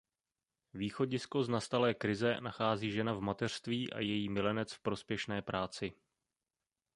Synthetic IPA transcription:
viːxo̞ɟɪsko̞znast̪alɛːkɾɪzɛnaxaːziːʒɛnavmat̪ɛr̥st̪viːʔa̰jɛjiːmɪlɛnɛt͡sfpɾo̞spjɛʃnɛːpɾʔaːt͡sɪ

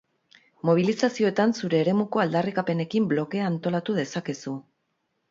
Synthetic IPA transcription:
mo̞β̞ilisasio̞et̪ansuɾe̞ːɾe̞muko̞ald̪arikape̞ne̞kimblo̞ke̞aːnt̪o̞lat̪uð̞e̞sake̞su

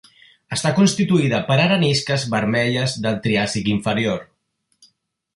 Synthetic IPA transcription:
əst̪akunst̪it̪uiðəpəɾaɾəniskəzβəɾmɛʎəzðəlˠt̪ɾiasikiɱfəɾijoɾ

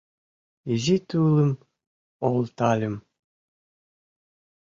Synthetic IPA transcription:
izit̪uːlˠɨm | olˠt̪alʲim

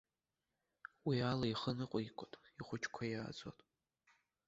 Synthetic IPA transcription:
wialaiχənɨqʷʼikʷʼʊtʼiχʷʊt͡ʃʰkʷʰajaːd͡zʼwa̰tʼ

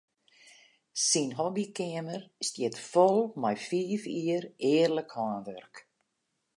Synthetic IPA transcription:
sinɦɔbikɪəmərstjɪtfɔlˠmɛjfiːfiərɪːərləkhɔːnʋørk

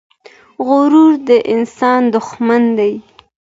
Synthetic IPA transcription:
ɣʊɾuɾd̪əʔɪnsɑnd̪ʊxmand̪aj

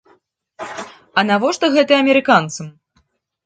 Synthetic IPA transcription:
ɐnavɔʂt̪ɔɣɛt̪ɨɐmʲɛɾɨkant̪sɐm

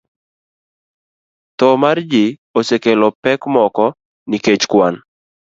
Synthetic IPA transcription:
t̪ɔmard͡ʒɪosekelɔpɛkmɔkɔ | niket͡ʃkwan

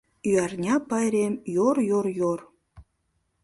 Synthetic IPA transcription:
yɑrnʲɑpɑjɾemjorjoɾjor

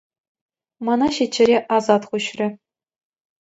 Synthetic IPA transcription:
mɑnɑɕit͡ɕːɘ̆ɾʲeʔɑzɑt̪χuɕrʲɘ̆

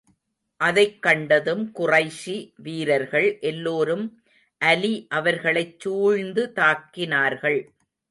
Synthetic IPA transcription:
ʔɐðɐɪkːɐɳɖɐðɯmkʊrɐɪʂiʋiːɾɐɾɣɐɭʔɛlːoːɾɯm | ʔɐliʔɐʋɐɾɣɐɭɐɪt͡ʃːuːɻnd̪ɯt̪aːkːɪnaːɾɣɐɭ

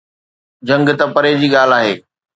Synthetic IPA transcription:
d͡ʑɐ̃ŋɡt̪ɐpɐɾed͡ʑiːɠaːl̤aːɦeː

